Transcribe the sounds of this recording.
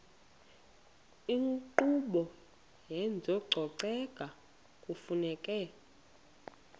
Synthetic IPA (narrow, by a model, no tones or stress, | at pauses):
iŋǃuɓɔ | jɛnd͡zʱɔɡ͡ǀʱɔǀɛkʼa | kʼufunɛkʼɛ